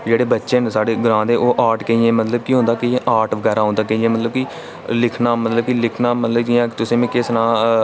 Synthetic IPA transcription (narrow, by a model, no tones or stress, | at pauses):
d͡ʒeːɽeːbətːʃeːnsaːɽeːɡɾãːd̪eːʔoːʔaːʈkəiːẽːmət̪ləbkiːɦõnd̪aːkɪẽʔaːʈʋəɡɛːɾaːɦõnd̪aːkəiːẽːmət̪ləbki | lɪkʰnãːmət̪ləb̚kilɪkʰnaːmət̪ləbkiãːkt̪ʊsẽːmɛ̃kɪsnaː